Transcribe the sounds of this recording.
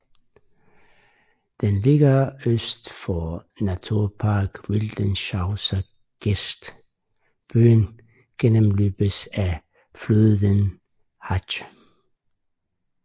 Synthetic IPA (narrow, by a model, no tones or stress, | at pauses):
d̪̥enle̝ɡ̥ɐøsd̥fɒ | næt͡sʰuɐpʰɑːɡ̥ʋild̥ənɕɑʊsɐ | ɡ̥esd̥ | b̥yːn | ɡ̥enəmlyːb̥əsæ | fløððˠən | hɑ